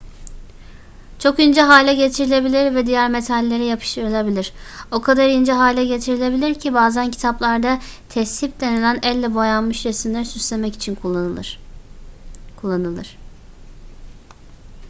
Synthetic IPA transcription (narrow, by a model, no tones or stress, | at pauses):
t͡ʃʰo̞kind͡ʒɛɦaːlʲɛɟe̞t̪ʰiɾilʲe̞bilʲiɾvɛd̪ijæɾme̞t̪ʰalʲːe̞ɾijapʰɯ̥ʃɯlʲˠebilʲiɾ̥o̞kʰad̪aɾind͡ʒɛɦaːlʲɛɟe̞t̪ʰiɾilʲe̞bilʲiɾcʰibaːzæncʰi̥t̪ʰaplˠaɾd̪at̪ʰɛst̪ip̚d̪e̞nilʲænɛlʲːɛbojanmɯʃɾesimlʲæɾsyslʲe̞mɛci̥t͡ʃʰin | kʰulˠːanɯlˠɯɾ̥